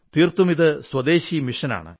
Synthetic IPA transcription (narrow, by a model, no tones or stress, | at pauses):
t̪iːrt̪umiðɨswɐd̪eːɕimiʂɐna̰ːɳɨ̰